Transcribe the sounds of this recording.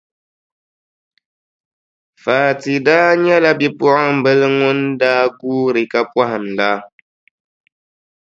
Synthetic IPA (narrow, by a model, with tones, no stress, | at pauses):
faː˨ti˨da˦ɲɛ˦la˦bi˦pɔ˦a˦m̩˨bə˦lŋo˦ndaː˦ɡuː˦ɾi˨ka˦pwa˦ha˨m˨la˦